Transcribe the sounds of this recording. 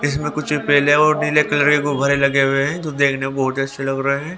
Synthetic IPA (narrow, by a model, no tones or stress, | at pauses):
ɪsmẽkʊt͡ʃʰipeːleɔːɾnilekɐləɾkekoɡʱɐɾelɐɡeɦʊweɦɛ̃t̪od̪eːkʰnebɐɦʊt̪iɐtːʃʰelɐɡɾɐɦeɦɛ̃ː